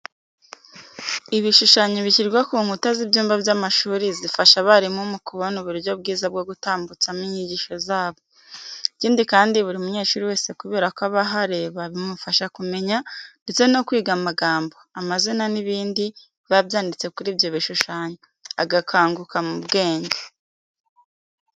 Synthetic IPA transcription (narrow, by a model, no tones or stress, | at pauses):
iβiʃuʃaːɲeβiciɾɡwakuŋutazibjuːmbabjamaʃuːɾizifaʃaβaɾimumukuβo̞nuβuɾjo̞bɡiːzab̚ɡo̞ɡutaːmbut͡samiɲiɟiːʃo̞zaːβo̞ | iciːndikaːndiβuɾiumuɲe̞ːʃuːɾiweːse̞kuβe̞ːɾakoaβaɦaɾe̞βaβimufaʃakume̞ɲande̞t͡se̞no̞kwiːɡamaɡaːmbo̞amazinaniβiːndi | βabjaːndit͡se̞kuɾibjo̞βiʃuʃaːɲe | aɡakʰaːŋɡukamubɡe̞ːɲɟe